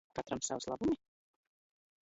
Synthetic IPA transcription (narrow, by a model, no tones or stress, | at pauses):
kat̪ɾamsawslˠa̰bumʲi